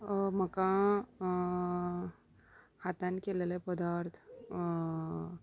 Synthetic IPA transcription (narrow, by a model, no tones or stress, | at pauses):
məkã | hat̪ankeləlepəd̪aːɾt̪ʰ